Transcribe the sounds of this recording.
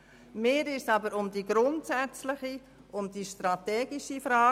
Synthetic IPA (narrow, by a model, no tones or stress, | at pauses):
meːɾɪʃsɑbəɾʊmd̪iɡɾʊntsæt͡slɪχi | ʔʊnd̥iʃtɾɑt̪ɛːɡiʃifɾɑː